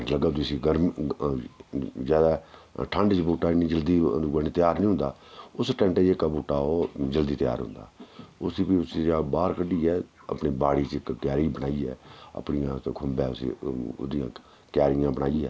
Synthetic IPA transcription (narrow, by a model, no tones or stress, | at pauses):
ʈləɡaːd̪ʊsiɡəɾm | zjaːd̪aːʈʰə̃ɳɖt͡ʃbuːʈaːnĩːd͡ʒəld̪iːɡəniːt̪ɪjaːɾnĩːɦʊ̃nd̪aː | ʊsʈɛ̃ːɳʈeːeːkːabuːʈːaːoːd͡ʒəld̪iːt̪ɪja̰ːɾɦʊ̰̃nd̪a̰ːʊsiːpiːʊsaːbaːɾkəɖiːɛː | ə̰pɳiːbaːɽiːt͡ʃkt̪ɪjaːɾiːbənaːiːɛːə̰pɳijãːkʰʊmbɛːsd̪ɪjã̰ː | kjaːɾɪjãːbənaːiɛ̰ː